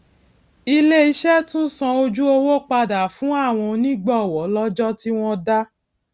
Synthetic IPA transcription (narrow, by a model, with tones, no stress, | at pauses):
i˧le˦i˧ʃɛ˦tũ˦sã˧o˧d͡ʒu˦o˧wo˦k͡pa˧da˨fũ˨˦a˦˨w̃ɔ̃˧nĩ˦ɡ͡bɔ˦˨wɔ˨˦lɔ˦d͡ʒɔ˦ti˦w̃ɔ̃˦da˦